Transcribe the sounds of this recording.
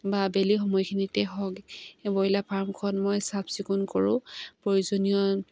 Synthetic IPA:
babelixɔmɔjkʰinitɛɦɔkbɔjlapʰaɹmkʰɔnmojsabsikunkɔɹʊ̰̃pɹojuzɔnijɔ

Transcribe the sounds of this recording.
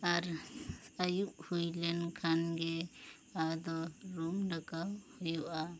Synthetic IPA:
aɾ | ajuʔhujlɛnkʰanɡɛ | ad̪ɔɾumɖakawhujuʔa

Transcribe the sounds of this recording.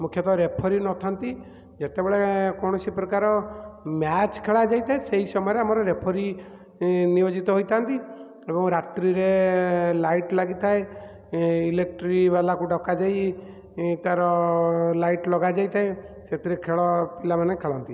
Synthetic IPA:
mukʰjɔt̪ɔɾepʰɔɾinɔt̪ʰant̪i | d͡ʒet̪ebeɭekɔɽ̃ɔsipɾɔkaɾɔmjat͡ʃkʰeɭad͡ʒajt̪ʰaeseɦisɔmɔjɔɾeamɔɾɔɾepʰɔɾi | nijod͡ʒit̪ɔɦojt̪ʰant̪i | ebɔŋɾat̪ɾiɾelajʈlaɡit̪ʰae | ilek̚ʈɾibalakuɖɔkad͡ʒaj | t̪aɾɔlajʈlɔɡad͡ʒajt̪ʰae | set̪iɾekʰeɭɔpilamanekʰeɭɔnt̪i

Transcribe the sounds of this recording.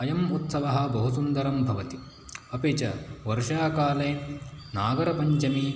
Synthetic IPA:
ɐjɐmut̪sɐʋɐɦɐ̆bɐɦusund̪ɐɾɐmbʱɐʋɐt̪i | ɐpeːt͡ʃɐ̰ʋɐɾʃaːkaːleːnaːɡɐɾɐpɐɲt͡ʃɐmi

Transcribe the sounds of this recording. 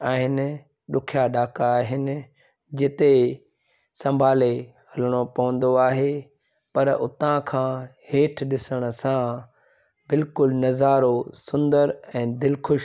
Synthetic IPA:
aːɦɪnɪ̆ | ɗʊkʰjaɗaːkaːɦɪnɪ̆ | d͡ʑɪt̪e | sɐ̃mbʱaːle | hɐləɽ̃opɐʋə̃n̆d̪oaːɦe | pɐɾʊ̰t̪ãkʰãːheːʈʰɗɪsəɽ̃ʊ̆sã | bɪlkʊlnɐzaːɾosʊ̃nd̪əɾɛ̃ːd̪ɪlkʰʊʃ

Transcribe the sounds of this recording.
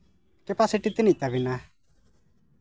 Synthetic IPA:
kepasɪʈit̪init̪abina

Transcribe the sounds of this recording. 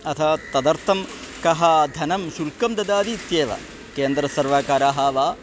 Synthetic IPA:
ɐt̪ʰɐt̪ɐd̪ɐɾt̪ʰɐmkɐɦɐd̪ʱɐnɐmʃulkɐmd̪ɐd̪aːd̪iːt̪jeːʋɐ̰ | keːnd̪ɾɐsɐɾʋaːkaːɾaːɦaːʋaː

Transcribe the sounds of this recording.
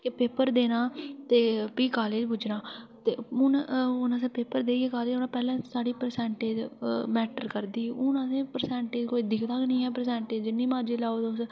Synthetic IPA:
kɪpeːpəɾd̪eːnãːt̪eːpiːkaːleːd͡ʒpʊd͡ʒnãːt̪eːʊnʊnas̬ẽːpeːpəɾd̪eːeːkaːleːd͡ʒʊnãːpɛːlãːsaːɽiːpəɾsɛːɳʈeːd͡ʒmɛːʈəɾkəɾd̪iːʊnasẽːpəɾsɛ̃ːɳʈeːd͡ʒkoːiːd̪ɪkʰt̪aknĩːɛːpəɾsɛ̃ːɳʈeːd͡ʒd͡ʒɪnːĩːmãːd͡ʒiːlaːoːd̪ʊs

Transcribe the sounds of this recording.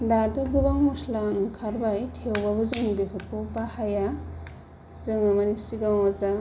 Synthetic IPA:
dadɯɡɯbaŋmuslaŋkʰaɾbajtʰewbabɯzɯŋbikʰɯtpupahaja | zɯŋamanisiɡaŋaza

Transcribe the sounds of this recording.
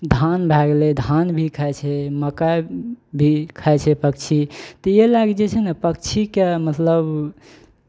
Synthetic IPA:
d̪ʱanbʱɛɡled̪ʱanbʱikʰaɛt͡ʃʰɛməkabʱikʰaɛt͡ʃʰɛpək̚t͡ʃʰit̪ɔjelaɡed͡ʒet͡ʃʰɛnepək̚t͡ʃʰikemət̪ləb

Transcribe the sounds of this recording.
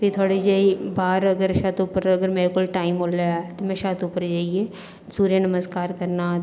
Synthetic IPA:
pit̪ʰoaːɽeːd͡ʒeibaːɾəɡəɾʃaːt̪ʊpːəɾəɡəɾmeːɾekoːlʈaːimoːljat̪omɛ̃ːʃaːt̪ʊpːəɾd͡ʒaːieː | suːɾjanəməskaːɾkəɾnaː

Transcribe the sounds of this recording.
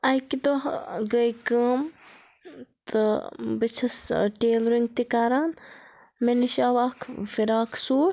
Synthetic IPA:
ɐjkid̪oɡəjkəːm | t̪ɨbit͡ʃʰɐsʈeːlɾiŋɡ̚t̪ikaːɾaːn | meniʃaːʋaːkʰfiɾaːkʰsuː

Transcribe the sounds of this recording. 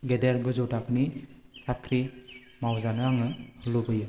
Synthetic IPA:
ɡedeɾɡɯzuwtaknisakʰɾi | mawzanɯaŋɯhɯlubɯjɯ

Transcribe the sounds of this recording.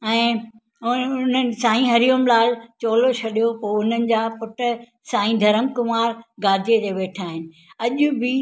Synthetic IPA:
ɛ̃ː | ʊnən̆sãːĩɦɐɾijʊmlaːlt͡ɕoːlot͡ɕʰɐɗijopoːʊn̤ənɪ̆d͡ʑaːpʊʈʊ̆ | sãːĩd̪ʱɐɾəmkʊmaːɾɡaːd̪ʱijet̪eʋeːʈʰaːɦɪnɪ̆ | ɐʄʊbɪ

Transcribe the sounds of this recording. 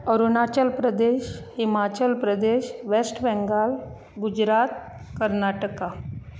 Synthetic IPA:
əɾunat͡ɕəlpɾəd̪eɕhimat͡ɕəlpɾəd̪eɕʋesʈbɛ̃ŋɡal | ɡud͡ʑɾat̪ | kəɾnaʈəka

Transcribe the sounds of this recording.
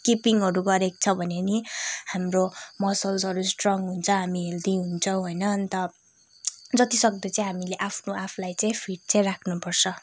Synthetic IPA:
kipiŋɦʌɾuɡʌɾek̚t͡sʰʌbʱʌnenihamromʌsʌlsʌɾusʈrʌŋɦunt͡sʰʌɦamield̪iɦunt͡sʰʌw̃ɦojnʌnt̪ʌ | d͡zʌt̪isʌk̚d̪ʌt͡saĩɦamileʔapʰnoʔapʰlajt͡saĩpʰiʈ̚t͡sajrakʰnupʌrt͡sʰʌ

